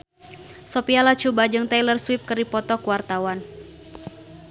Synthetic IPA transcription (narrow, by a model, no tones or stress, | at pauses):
sɔpialat͡ʃubad͡ʒɨŋt̪ajlərswɪp̚kərdipɔt̪ɔkuwart̪awan